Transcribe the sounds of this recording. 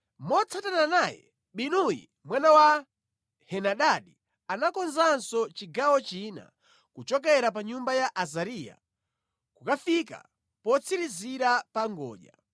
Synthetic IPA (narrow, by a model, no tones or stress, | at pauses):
mɔt͡sʰatananajɛ̰ | ɓinujḭ | mwanawa | hɛnaɗaɗi | anakɔnzansɔt͡ʃiɡawɔt͡ʃina̰ | kut͡ʃɔk̬ɛɾap̬aɲumbajaʔazaɾija̰ | kukafika̰ | pɔt͡sʰiɾiziɾapaŋɡɔ̰ːʄa̰